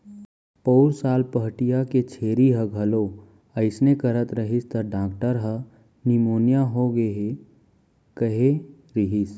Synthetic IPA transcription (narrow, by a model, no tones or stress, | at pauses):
pəːɾsaːlpəɦʈijaket͡ʃʰeːɾiɦə̃ɡʱəlo | əɪsnekəɾət̪ɾəɦist̪əɾɖãːk̚ʈəɾɦə̃ | nimoːnjaɦoɡeɦe | kəɦe | ɾiɦis